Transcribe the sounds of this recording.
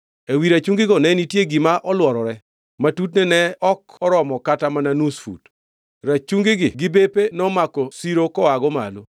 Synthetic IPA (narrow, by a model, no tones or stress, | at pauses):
ewiɾat͡ʃuŋɡɪɡɔnɛnitjeɡimaʔɔlwɔɾɔɾɛ | matut̬nɛnɛɔkɔɾɔmɔkatamananusfṵt | ɾat͡ʃuŋɡɪɡɪɡɪbepenɔmakɔsiɾokɔaɡɔma̰lo